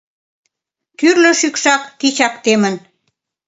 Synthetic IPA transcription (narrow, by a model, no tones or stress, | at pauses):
kyrlə̆ʃykʃɑkːit͡ɕɑkt̪emə̆n